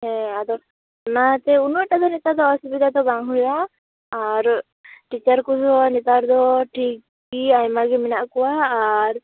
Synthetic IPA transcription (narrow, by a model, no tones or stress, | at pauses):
ɦɛ̃ad̪ɔ | nat̪ɛunuɛʈad̪ɔnit̪ad̪ɔːsibid̪ʱat̪ɔbaŋɦujaː | ɾ | ʈit͡ʃaɾkusɔnit̪aɾd̪ɔʈʰik | iajmaɡɛminaʔkɔwaːɾ